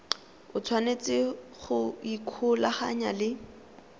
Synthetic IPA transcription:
ʊt͡sʰwanet͡sʼɪχʊikʰʊlaχa̰ɲa̰lɪ

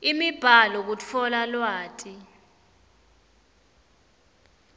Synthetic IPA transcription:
imib̥ʱalɔk̬ut͡fʰɔlalwaːtʰʼi

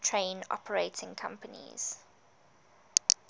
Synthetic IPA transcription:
tʰɹẽɪnɔ̰pʰəɹeɪtʰɪ̃ŋkʰã̰mpənḭz̥

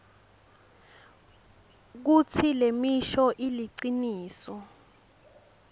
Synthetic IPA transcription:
k̬ut͡sʰilemiʃɔʔiliǀiniːsɔ

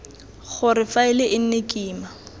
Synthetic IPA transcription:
χʊrɪfaɪlɪʔɪn̩nekʼiːma

